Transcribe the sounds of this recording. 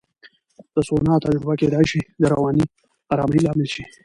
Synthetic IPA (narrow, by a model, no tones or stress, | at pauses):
d̪̥əsonɑt̪ad͡ʒɾʊbaked̪ɑjʃid̪əɾawɑni | ɑɾɑːməjlɑmɪlʃi